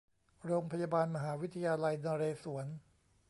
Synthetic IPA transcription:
ɾoː˧ŋpʰa˧jaː˧baː˧nma˧ɦaː˩˦wi˦˥t̪ʰa˧jaː˧la˧jnaː˧ɾeː˧su˩˦ɐn

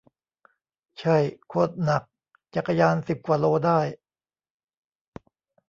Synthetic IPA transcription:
t͡ɕʰa˥˩jkʰo˧˥˩t̪̚na˨˩k̚ | t͡ɕa˨˩kʰːa˧jaː˧nsi˨˩p̚kwaː˨˩loː˧daː˥˩j

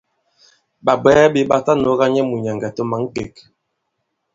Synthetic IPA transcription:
ɓa˨bɛ˦bi˦ɓa˦ta˦no˨˦ɣa˦ɲɛ˦mu˨ɲa˨ŋɡa˨to˦ma˨˦ŋ̩˦ke˨k

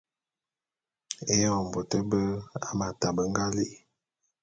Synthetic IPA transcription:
e˦jɔ˦˨m˨bo˨tə˦bə˦a˦ma˨ta˨bə˨ŋ˦ɡa˦li˦

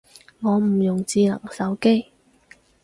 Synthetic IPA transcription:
ŋɔː˨˧m̩˨˩jʊ˨˩ŋt͡siː˧lɐ̰˨˩ŋsɐ˨˥wke˥j

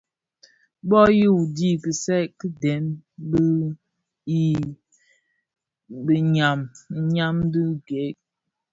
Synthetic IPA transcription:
bɔ˦ji˦u˨di˦kə˨sɛ˦kə˦dɛ˨˦mbə˦ | i˦ | bə˨ɲa˨m̩˦ɲa˦mdə˦ɡe˨˦k̚

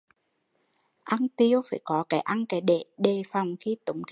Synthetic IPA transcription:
ʔa˧nt̪i˧əwfaː˧˩jkɔ˨˦kaː˨˦jʔa˧nkaː˨˦jɗe˧˩ɗe˨˩fa˨˩wŋ͡mxi˧t̪ʊ˨˦ŋ͡mt̪ʰ

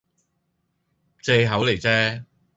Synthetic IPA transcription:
t͡se˧jɦɐ˨˥wle˨˩jt͡sɛː˥

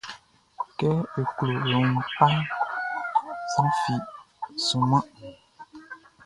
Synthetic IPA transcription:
kɛ˦e˨klo˨lo˨ŋ˨pa˦l | sa˦fi˨ | su˨ma˦ʔ

